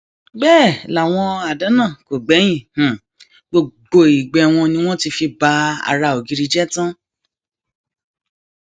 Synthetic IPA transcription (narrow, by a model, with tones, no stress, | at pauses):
bɛː˦˨la˨w̃ɔ̃˧a˨da˨˦nã˦˨ko˨ɡ͡bɛ˨˦j̃ĩ˦˨h̩˨ | ɡ͡bo˧ɡ͡bo˧i˨ɡ͡bɛ˧w̃ɔ̃˧nĩ˧˦w̃ɔ̃˦ti˧fi˧ba˧a̰˨ɾa˧o˨ɡi˨˧ɾi˧d͡ʒɛ˦tã˦